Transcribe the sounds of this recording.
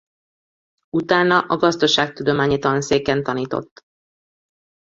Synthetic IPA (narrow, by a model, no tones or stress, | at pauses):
ut̪aːnːɒʔɒɡɒzd̪o̞ʃaːk̚t̪ud̪o̞maːɲiːt̪ɒlnseːkɛnt̪ɒniːt̪o̞̰t̪ː